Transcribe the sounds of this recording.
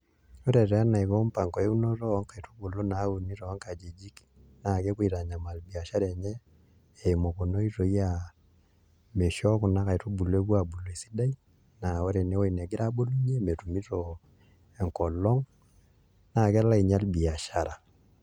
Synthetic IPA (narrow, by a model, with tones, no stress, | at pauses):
o˦ɾɛ˨ɾɛ˨a˦na˨i˨βɔ˦mpa˨ŋkɔ˨e˦u˦nɔ˦ɾɔ˦ɔ˦ŋka˨i˨to˦bo˨lo˦na˨˦u˨ni˦ɾɔɔ˦ŋka˨d͡ʒi˨d͡ʒi˦k | na˨kɛ˦kwi˨ɾa˨ɲa˨ma˨lbi˨a˨ʃa˦ɾɛ˨ɲɛ˦ | e˨imɔ˨ko˨no˦i˦ɾo˨i˦ja | me˨ʃɔ˦ko˨na˦ka˨i˨to˦bu˨lɔ˦e˦βwa˨bu˨lɔ˨e˨si̥˦da˦i˦ | na˨o˦ɾɛ˨ne˦o˦i˨nɛ˨ɡe˦ɾa˦bo˦lu˦ɲe˦me˨tu˨mi˦ɾɔ | ɛ˨ŋkɔ˨lɔ˦ŋ | na˨kɛ˦la˦i˨ɲa˦lbi˨a˨ʃa˨ɾa˨